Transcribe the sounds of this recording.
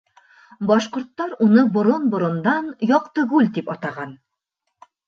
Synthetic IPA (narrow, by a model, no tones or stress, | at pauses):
bɒʃqŏɾt̪ːɑɾunɤbŏɾonbŏɾŏnd̪ɑnjɒqt̪ɤɡʉlʲt̪ipɒt̪ɑʁɑn